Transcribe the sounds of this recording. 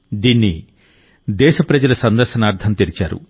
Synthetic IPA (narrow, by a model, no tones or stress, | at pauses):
d̪iːnːi | d̪ɛːʃɐpɾɐd͡ʒɐlɐsɐnd̪ɐɾʃɐnaːɾt̪ʰɐnt̪eɾit͡ʃa̰ːɾṵ